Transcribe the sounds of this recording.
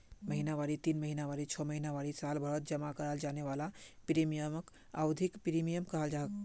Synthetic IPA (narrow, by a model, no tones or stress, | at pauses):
məɦinaʋaɽit̪inməɦinaʋaɽit͡ʃʰɔməɦinaʋaɽisalbʱəɽət̪̚d͡ʒəmakəɾəld͡ʒaneʋalapiɾimijəmək | awd̪ʱikpiɾimijəmkəɦəld͡ʒaɦək